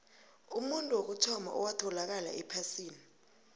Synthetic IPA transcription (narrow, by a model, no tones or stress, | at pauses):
umuntʼuwok̬ut͡ʃʰɔma̰ʔɔ̰watʰɔlak̬ala̰ʔɛpʰasiːni